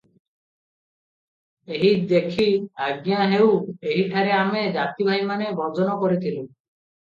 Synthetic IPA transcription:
eɦid̪ekʰiaɡjaɦeweɦiʈʰaɾeamed͡ʒat̪ibʱajmanebɔd͡ʒɔnɔkɔɾit̪ʰilu

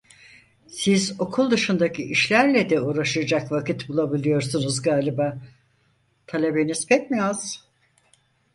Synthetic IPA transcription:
sizo̞kʰulˠd̪ɯʃund̪acʰiiʃlʲæɾlʲɛd̪ɛuːɾaʃɯjad͡ʒakvakit̪bulˠabilʲijo̞ɾsunuzɡaːlʲibaː | t̪ʰalʲe̞be̞nizpʰɛc̚miaz̥

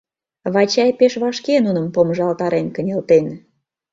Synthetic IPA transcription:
βɑt͡ɕɑjpeʃβɑʃkenunə̆mpoməʒɑlt̪ɑɾenkənʲelt̪en

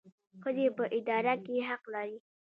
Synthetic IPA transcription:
xəzepəʔɪd̪ɑɾakeɦaqlɑɾi

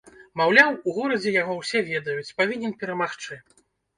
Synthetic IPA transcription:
mawlʲawuɣɔɾɐd͡zʲɛjaɣɔwsʲɛvʲɛd̪ɐjut͡sʲpavʲinʲɛnpʲɛɾɐmaxt͡ʂɨ

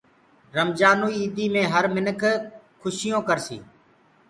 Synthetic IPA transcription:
ɾəmd͡ʒaːnuːiiːd̪iːmẽːɦəɾmɪnəkʰ | kʰʊʃɪjõːkəɾsḭː

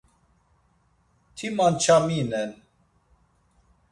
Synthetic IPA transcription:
t̪ʰimant͡ʃʰaminɛn

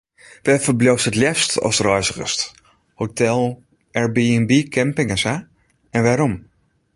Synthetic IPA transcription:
ʋɛfəɹblowstətljɛstɔ̰lsrœjzəχə̰st | hotɛlˠ | ʔɛɹbiɛnbikʰɛmpɪŋəsa | ɛnʋaːɾɔm

